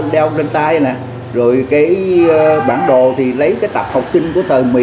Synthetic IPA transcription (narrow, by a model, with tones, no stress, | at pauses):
ɗɛ˧ŋ͡mzə˧nt̪aː˧jnaː˨˩ | zo˨˩jkaː˨˦jɓaː˧˩nɗo˨t̪ʰi˨˩lə˨˦jkaː˨˦jt̪a˨˩p̚ha˨˩wk͡p̚sï˧ŋ̟ku˧˩ət̪ʰəː˨˩mḭ˨˧˨